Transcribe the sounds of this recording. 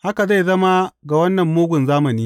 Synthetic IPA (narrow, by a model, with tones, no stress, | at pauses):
ha˦ka˨za˦˨jzɐ˦ma˦ɡa˨wɐ˦nːɐ˨mːoː˦ɡʷʊ˨nzaː˦mɐ˨niː˦